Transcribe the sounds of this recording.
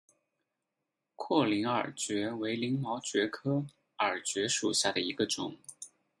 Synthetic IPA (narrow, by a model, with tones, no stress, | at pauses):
kʰwɔ˥˩li˧˥ŋə̰˞˨˩t͡ɕɥɛ˧˥we˧˥ɪli˧˥ŋmɑ˧˥ʊt͡ɕɥɛ˧˥kʰɤ˥ | ə˞˨˩t͡ɕɥɛ˧˥ʂu˨˩ɕja˥˩ɾə˩i˧˥ɡə˧ʈ͡ʂʊ̰˨˩˦ŋ